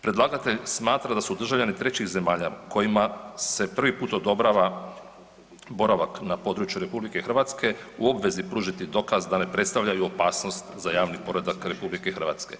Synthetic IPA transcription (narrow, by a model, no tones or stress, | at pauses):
pɾe̞d̪laɡat̪e̞ʎsmaːt̪ɾad̪asud̪r̩ʒaʋʎanit̪ɾet͡ɕixze̞maːʎako̞jimase̞pr̩ʋipuːt̪o̞d̪o̞bɾaːʋa | bo̞ɾaʋaknapo̞d̪ɾuːt͡ʃjuɾe̞publike̞xrʋat̪ske̞uo̞bʋe̞zipɾuːʒit̪id̪o̞kazd̪ane̞pɾe̞t̪st̪aʋʎajuopaːsno̞st̪zajaːʋnipo̞ɾed̪akɾe̞publikexɾr̩ʋa̰ːt̪ske̞